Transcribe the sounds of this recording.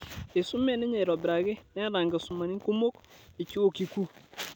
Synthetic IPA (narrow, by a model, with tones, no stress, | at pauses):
e˨su˦me˦˨ne˦ɲe˨ɾɔ˨bɪɾa˨ɡe˦nɛ˦ɾa˨ŋɡa˨su˨ma˨ni˦ku˦mo˦ki˨t͡ʃi˦wo˨ki˨ku˦